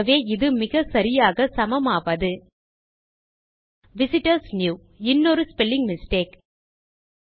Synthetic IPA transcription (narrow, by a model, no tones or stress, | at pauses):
ʋeːɪðɯmɪɣɐsɐɾɪjaːɣɐsɐmɐmaːʋɐðɯ | ʋɪsɪʈɐɾsnjuː | ɪnːoɾɯspɛlːɪŋɡmɪsʈeːk